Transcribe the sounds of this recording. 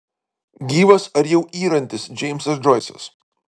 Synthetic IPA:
ɡʲiːʋɐsɐɾjɛʊʔiːɾɐnʲt̪ʲɪsd͡ʒʲɛɪmʲsɐs̬d͡ʒɔɪsʲɛ̰s

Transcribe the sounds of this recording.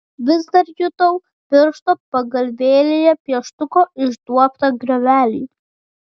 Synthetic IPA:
ʋʲɪzd̪ɐɾjʊt̪ɐw | pʲɪɾʃt̪opɐɡɐlʲʋʲeːlʲɪjɛpʲiɛʃt̪ʊkoɪʒd̪uɔpt̪ɐɡɾʲɛʋʲæːlʲiː

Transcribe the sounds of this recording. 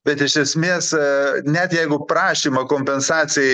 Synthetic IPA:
bʲɛt̪ɪʃʲɛsʲmʲeːsnʲɛt̪jɛɪɡʊpɾɑːʃʲiːmɐkoːmʲpʲɛnsɑːt͡s̪ʲɪjɛ

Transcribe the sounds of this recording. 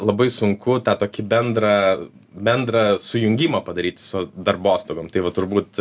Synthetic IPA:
lˠɐbɐɪsʊŋkʊt̪ɑːt̪oːkʲɪbʲɛnd̪ɾɐ | bʲɛnd̪ɾɐsʊjʊŋʲɡʲimɐpɐd̪ɐɾʲiːt̪ʲsʊd̪ɐrboːst̪oːɡoːmt̪ɐɪʋɐt̪ʊɾbuːt̪

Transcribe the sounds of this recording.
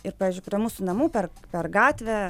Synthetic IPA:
ɪɾpɑːʋʲiːzʲd͡ʒʲʊɪpʲɾʲiɛmuːsʊnɐmuːpʲɛrpʲɛrɡɑːt̪ʲʋʲɛ

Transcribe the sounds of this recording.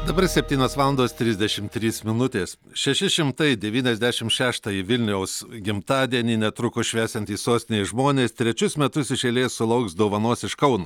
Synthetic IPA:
d̪ɐbɐɾsʲɛpʲt̪ʲiːnʲoːsʋɑːlˠɐnd̪oːst̪ʲɾʲɪzʲd̪ʲɛʃʲɪmt̪ʲɾʲiːsmʲɪnʊt̪ʲeːs | ʃʲɛʃʲɪʃʲɪmt̪ɐɪd̪ʲɛʋʲiːnʲɛzʲd̪ʲæʃʲɪmʃʲæːʃt̪ɑːjɪʋʲɪlʲnʲɛʊsɡʲɪmt̪ɑːd̪ʲiɛnʲiːnʲɛt̪ɾʊkʊʃʲʋʲæːsʲɛnt̪ʲiːsoːsʲt̪ʲɪnʲeːʒmoːnʲeːst̪ʲɾʲɛt͡ʃʲʊsmʲɛt̪ʊsɪʃʲeːlʲeːssʊlˠɐʊksd̪oːʋɐnoːsɪʃkɐʊnuː

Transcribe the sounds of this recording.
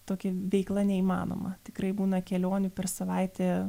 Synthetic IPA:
t̪oːkʲɛʋʲɛɪklˠɐnʲɛiːmɑ̰ːno̰ːmɐt̪ʲɪ̥kɾɐɪbuːnɐkʲɛlʲoːnʲʊpʲɛrsɐʋɐɪt̪ʲɛː

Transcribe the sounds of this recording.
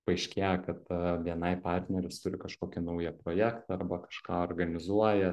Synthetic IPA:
pɐɪʃʲkʲeːjɛkɐt̪ʋʲiɛnɐɪpɑrʲt̪ʲnʲɛɾʲɛst̪ʊɾʲɪkɐʃkoːkʲɪnɐʊjɛpɾoːjæːkt̪ɐɐrbɐkɐ̥ʃkɑːoːrɡɐnʲɪzuɔjɛ

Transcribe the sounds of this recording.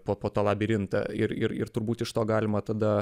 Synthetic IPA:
poːpoːt̪oːlˠɑːbʲɪɾʲɪnt̪ɐ̰ɪɾɪɾɪ̰ɾt̪ʊɾbuːt̪ɪʃt̪oːɡɑːlʲɪmɐt̪ɐd̪ɐ

